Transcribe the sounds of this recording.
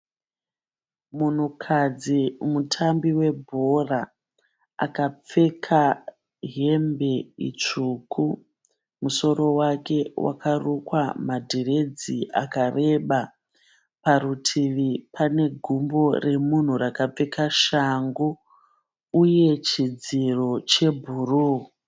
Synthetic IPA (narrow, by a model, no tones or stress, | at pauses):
mun̤ukʰad͡zimutʰambiwe̞bʱo̞ra | a̰kap͡fe̞kʰa | ɦe̞mbe̞ḭt͡ʂuku | muso̞ɾo̞wake̞wa̰karukwamadʱire̞d͡ziʔa̰kare̞ɓa | paɾutʰiʋipane̞ɡʱumbo̞re̞mun̤urakap͡fe̞kʰaʃaŋɡu | uje̞t͡ʃid͡ziro̞t͡ʃe̞bʱuruː